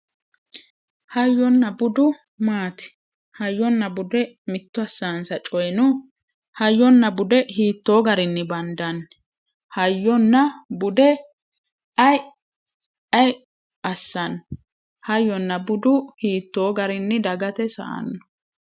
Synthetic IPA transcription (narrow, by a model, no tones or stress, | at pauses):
hɐjːɔnːɐbʊd̪ʊ | maːt̪ɪ̥ | hɐjːɔnːɐbʊd̪ɛ | mɪt̪ːʊɐsːaːnsɐt͡ʃʼɔjnʊ | hɐjːɔnːɐbʊd̪ɛhiːt̪ːoːɡɐɾɪnːɪbɐnd̪ɐn | hɐjːɔnːɐbʊd̪ɛ | ɐj | ɐj | ɐsːɐn | hɐjːɔnːɐbʊd̪ʊhiːt̪ːo̞ːɡɐɾɪnːɪd̪ɐɡɐt̪ɛsɐ̰ʔɐ̰nːɔ